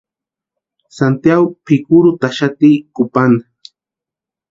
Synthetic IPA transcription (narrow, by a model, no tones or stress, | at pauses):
sant̪jaɡopɪkʊɾʊt̪aʃat̪ikʊpanḁ